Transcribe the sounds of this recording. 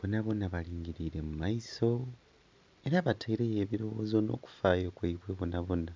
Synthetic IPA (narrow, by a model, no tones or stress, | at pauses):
βonaβo̞naβaliːŋɡiɾiɾe̞mumaiso̞ | e̞ɾaβatʰaiɾe̞je̞ːβiɾo̞woːzo̞no̰ku̥faːjo̞kweiβweβonaβo̞na